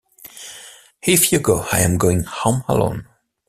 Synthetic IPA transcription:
hɪfjəɡoːaɪə̃mɡoːɪ̃ŋhomhə̰lõ̰n

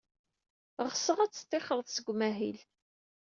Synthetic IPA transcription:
ʁsəʁæt͡sːt̪ːɪχəɾˤðˤsəɡʷmæɦil

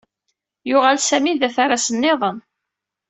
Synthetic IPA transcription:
jʊʁalsæmiðæθaɾasənːeðˤən

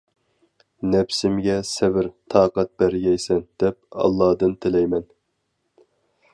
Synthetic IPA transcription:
nɛpsɪmɡʲɛsɛvɪɾt̪ʰɑːqɑt̪̚bæɾɡʲɛjsɛnd̪̥ɛp̚ɑ̰lˠːɑːd̪ɨnt̪ʰɪlɛjmɛn

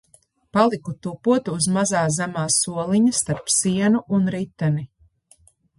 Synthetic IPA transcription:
palˠikut̪upuɔt̪uːzmazaːzæmaːsuɔlˠiɲɐst̪aɾpsiɛnuʔunɾit̪ːɛni

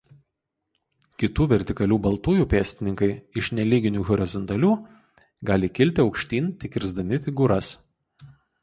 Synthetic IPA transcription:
kʲɪt̪uːʋʲɛɾʲt̪ʲɪkɐlʲuːbɐlˠt̪uːjuːˑpʲæːsʲt̪ʲɪnʲɪŋkɐɪɪʃnʲɛlʲiːɡʲɪnʲuːɣɔɾʲɪzɔnt̪ɐlʲuː | ɡɑːlʲɪkʲɪlʲt̪ʲɪɒʊkʃʲt̪ʲiːnʲt̪ʲɪkʲɪɾʲzd̪ɐmʲɪfʲɪɡuːɾɐs

